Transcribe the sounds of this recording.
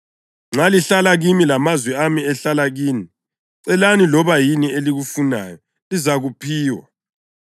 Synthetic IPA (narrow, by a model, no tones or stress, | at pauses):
ŋ͡ǀaliɬalaɣimilamazwɛamiɛɬalaɣiːni | ǀɛlanilɔβajinieliɣufuna̰jɔ | lizaɣupʰiːwa̰